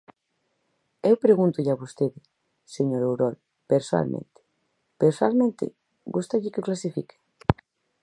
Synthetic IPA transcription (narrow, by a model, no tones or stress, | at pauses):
ewpɾeɣunt̪ʊʎaβost̪eðɪ | seɲoɾowɾɔl | peɾsoa̰lmʔḛ̃nt̪ɪ̥ | peɾsoalmẽnt̪ɪ̰ | ɡust̪aʎɪkɪoklasifḭkɪ̥